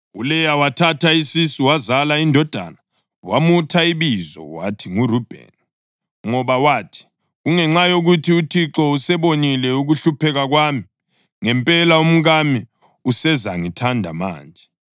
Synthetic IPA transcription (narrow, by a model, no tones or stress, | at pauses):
ulɛjawatʰatʰaisisiwazalaindʱɔd̥ʱa̰na | wamutʰaiβizɔ̰watʰiŋurub̥ʱɛ̰n | ŋɔβawatʰi̥ | ɣuŋɛŋ͡ǁajoɣutʰiutʰiǁɔusɛβonilɛuɣuɬupʰɛɣaɣwami | ŋɛmpʼɛlaum̩ɣami | usɛzaŋitʰandʱa̰ma̰ːnd͡ʒʱɛ